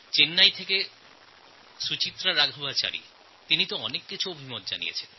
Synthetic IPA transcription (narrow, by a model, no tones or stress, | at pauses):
t͡ɕenːajt̪ʰeke | ʃut͡ɕit̪ːɾaɾaɡʱobat͡ɕa̰ɾḭ | t̪init̪oɔnekːit͡ɕʰuobʱimot̪̚d͡ʑa̰nḭjḛt͡ɕʰen